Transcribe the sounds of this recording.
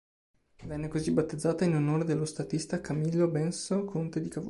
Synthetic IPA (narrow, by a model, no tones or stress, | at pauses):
vɛnːekozibat̪ːed̪zːaːt̪ainonoːɾed̪elːost̪at̪ist̪akamilːobɛnsokʰont̪ed̪ikav